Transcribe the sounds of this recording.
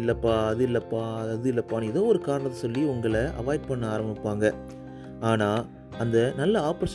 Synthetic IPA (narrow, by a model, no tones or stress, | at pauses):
ɪlːɐpːaːɐðɯɪlːɐpːaːɐðɯɪlːɐpːaːnɛðoːɔɾɯkaːɾɐɳɐt̪ːɐsɔlːiʊŋɡɐɭɐʔɐ̰ʋaːjʈ̚pɐɳːɐaːɾɐmbɪpːaːŋɡɐ | aːnaː | ɐnd̪ɐnɐlːɐaːpɐɾs